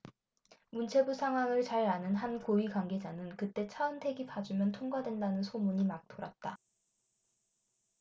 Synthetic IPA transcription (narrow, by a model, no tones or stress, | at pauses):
munt͡ɕʰe̞busʰaŋɦwaŋɯɭt͡ɕaɾanɯnɦankoikwaŋɡe̞d͡ʑanɯnkɯt͈e̞t͡ɕʰaɯntʰe̞ɡipad͡ʑumjʌntʰoŋɡwadwe̞ndanɯnsʰomuɲimak̚t͈oɾat̚t͈a